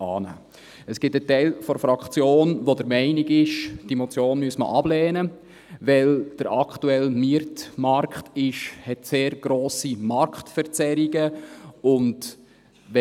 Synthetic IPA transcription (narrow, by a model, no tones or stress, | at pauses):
ɑːnæ̰ː | əsɡ̥ɪtətɛɪlfɔɾfɾɑkχt͡sjoːnʋodəɾmɛɪnɪɡɪʃd̥imɔt͡sjoːnmyəsmə̰ʔɑblɛːnə | ʋɛld̥əɾɑkχtuɛlmiəɾtmɑɾkχtɪʃhɛtseːɾɡ̥ɾoːsimɑɾkχtfəɾt͡sɛɾiɡəʊnd | ʋɛ